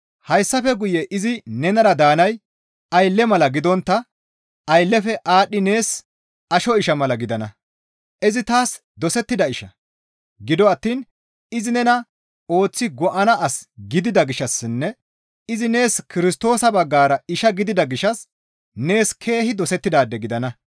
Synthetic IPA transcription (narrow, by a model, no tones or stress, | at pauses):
hɐjsːɐfɛɡʊjɛʔɪzɪnɛnɐɾɐd̪aːnɐj | ɐjlːɛmɐlɐɡɪd̪ɔnt̪ːɐ | ɐjlːɛfɛʔaːɗːɪne̞ːs | ɐʃɔɪʃɐmɐlɐɡɪd̪ɐnɐ | ʔɪzɪt̪aːs | d̪ɔsɛt̪ːɪd̪ɐɪʃɐ | ɡɪd̪ɔɐt̪ːiːn | ɪzɪnɛnɐ | o̞ːt͡sːɪɡɔʔɐnɐʔɐsɡɪd̪ɪd̪ɐɡɪʃːɐsːɪnːɛ | ɪzɪne̞ːskɪɾɪst̪o̞ːsɐbɐɡːaːɾɐɪʃɐɡɪd̪ɪd̪ɐɡɪʃɐs | ne̞ːskʰe̞ːhɪd̪ɔsɛt̪ːɪd̪aːd̪ːɛɡɪd̪ɐnɐ